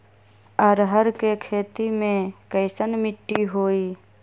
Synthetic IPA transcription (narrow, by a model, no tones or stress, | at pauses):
əɾɦəɾkekʰeːt̪imẽkəɪsənmɪʈːiɦoːiː